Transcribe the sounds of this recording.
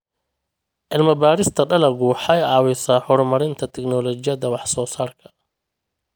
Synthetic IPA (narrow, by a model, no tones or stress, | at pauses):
ʔɪlmɐbaːɾɪst̪ʰɐɖɐlɐɡʊħɑjɑːwɪsaːħɔɾmɐɾɪnt̪ʰɐt̪ʰɛknɔːlɔt͡ʃɪjɐðɐwɑħsɔːsaːrkʰɐ̥